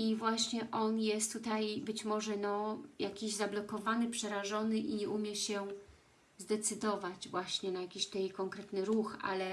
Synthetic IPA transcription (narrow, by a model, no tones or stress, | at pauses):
ivwaɕɲɛʔɔnjɛst̪ːut̪ajbɘt͡ɕmɔʐɛnɔjakʲiʑzablɔkɔvanɘpʂɛɾaʐɔnɘʔiɲɛʔumʲjɛɕɛ | zd̪ɛt̪sɘd̪ɔvad͡ʑvwaɕɲɛnajakʲiɕt̪ɛjkɔŋkɾɛt̪nɘɾuxa̰lɛ